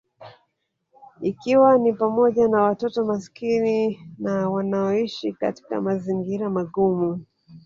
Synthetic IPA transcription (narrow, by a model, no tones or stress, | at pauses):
ikiwanipamɔʄanawatɔtɔmaskininawanaɔiʃikati̥ka̰maziŋɡiɾamaɡumu